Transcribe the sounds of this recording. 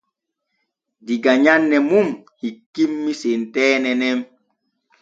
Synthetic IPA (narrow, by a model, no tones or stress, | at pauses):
diɡaɲanːɛmumhikːimːisentɛːnɛnɛm